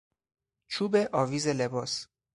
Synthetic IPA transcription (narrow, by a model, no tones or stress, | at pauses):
t͡ʃʰuːbeʔɒːviːzelebɒːs